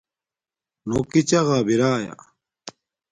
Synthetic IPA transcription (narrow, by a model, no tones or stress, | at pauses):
noːkit͡ɕɐɣaːbiɾaːja̰